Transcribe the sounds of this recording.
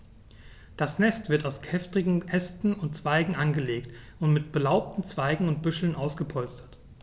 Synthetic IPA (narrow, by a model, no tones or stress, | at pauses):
d̥asnɛstv̥ɪɐtaʊskʰɛftʁɪɡŋ̩ʔɛstn̩ʊntt͡sv̥aɪɡŋ̩ʔanɡəleːkt | ʊntmɪt̚b̥əlaʊp̚tn̩t͡sv̥aɪɡŋ̩ʊnt̚b̥ʏʃl̩nʔaʊsɡ̥əpʰɔlstɐ̥t